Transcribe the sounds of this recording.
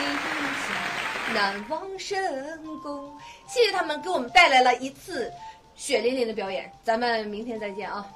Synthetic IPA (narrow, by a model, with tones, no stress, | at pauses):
a˥˧˩nɕʰi˨˩˨ŋna˧˥nwɑ˥ŋʂə˥˩ə˥˧˩nkʊ˥ŋɕɛ˥˩ɛ˥t̪ʰa˥mə˧ke˧˥ɪwɔ˨˩mə˦nt̪a˥˩ɪla˧˥ɪlə˧ʔi˧˥t͡sʰɹ̩˥˩ | ɕɥɛ˨˩li˧˥nli˧˥ŋd̪ə˧p̬jɑ˧˥ʊjɛ̰˨˩˦nt͡sa˧˥mə˧nmi˧˥ŋt̪ʰjɛ˥nt͡sa˥˧ɪt͡ɕjɛ˥˩nɐ˧˩